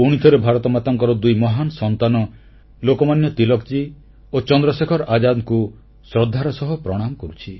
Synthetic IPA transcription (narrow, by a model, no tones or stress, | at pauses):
uɽ̃it̪ʰɔɾebʱaɾɔt̪ɔmat̪ɔŋkɔɾɔd̪ujmɔɦanɔsɔnt̪anɔ | lokɔmanjɔt̪ilɔk̚t͡ʃi | ot͡ʃɔnd̪ɾɔsekʰɔɾad͡ʒad̪ku | sɾɔd̪ʱːaɾɔsɔɦɔpɾɔɽ̃amɔkɔɾut͡ʃʰi